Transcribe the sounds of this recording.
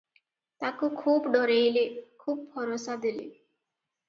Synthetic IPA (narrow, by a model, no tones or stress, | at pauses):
t̪akukʰuːbɖɔɾejlekʰuːb̚bʱɔɾosad̪ilḛ